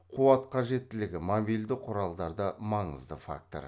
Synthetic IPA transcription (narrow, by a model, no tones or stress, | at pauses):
qʰuɑt̪qʰɑʒe̞t̪ːɪlɪɡʲɪmobijld̪ɪqʰʊɾɑlˠd̪ɑɾd̪əmɑɴəzd̪əfa̰k̚t̪oɾ